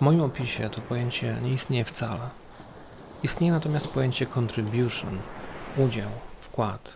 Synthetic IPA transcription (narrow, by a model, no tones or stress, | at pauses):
vmɔjimɔpʲiɕɛt̪ɔpɔjeɲt͡ɕɛ̰ɲɛist̪ɲejɛft̪sa̰lɛ | ist̪ɲejɛnat̪ɔmʲjast̪̚pɔjeɲt͡ɕɛkɔnt̪ɾɘbʲjuʂɔ̰nud͡ʑawfkwat̪